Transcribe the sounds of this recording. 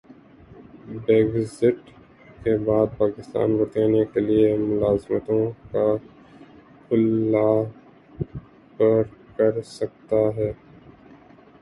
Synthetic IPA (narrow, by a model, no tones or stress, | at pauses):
beːɡzɪʈ | kebaːd̪̚paːkɪst̪a̰ːnbɐɾt̪aːnijakeliemʊlaːzmət̪õka | kʰʊlːa | pɐɾkɐɾsɐk̚t̪aɦɛː